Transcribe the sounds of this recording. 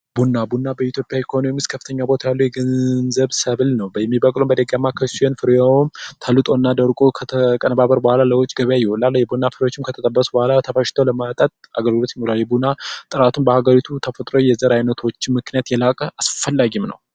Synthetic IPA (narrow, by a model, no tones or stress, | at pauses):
bunːabunːabəjit̪ʰjo̞pʼjaikʰəhonojɛmɨskʰəfːɨt̪ʰəɲːabo̞t̪ʰajalːujɛɡənnzəβsəβlnəwbəjɛmːibəkʼlumbəd̪əɡamːakʰəsujɛnfɨɾjawmt̪ʰəlːɨt̪ʼo̞nːad̪əɾkʼokʰət̪ʰəkʼənəbaβəɾbəhʷalaləwot͡ʃʼːɡəβjajɛwɔlːalːjɛbunːafɨɾjot͡ʃːɪmkʰət̪ʰət̪ʼəbːəsubəhalat̪ʰəfaʃɪ̥t̪ʰəwləmat̪ʼat̪ʼʔaɡəlɡɨlo̞t̪jɪmolaljɛbunat̪ʼɨɾat̪ʰumbəhaɡəɾit̪ʰut̪ʰəfət̪ʼɾojɛzəɾajnət̪ʰo̞t͡ʃːɪnmɨknijat̪jɛlakʼəʔasfəlːaɡimnə̰w